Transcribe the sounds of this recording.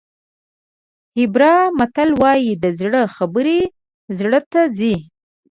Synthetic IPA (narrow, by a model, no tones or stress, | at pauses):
hɪbɾɑmat̪alwɑjid̪əzɽəxabəɾe | zɽət̪azi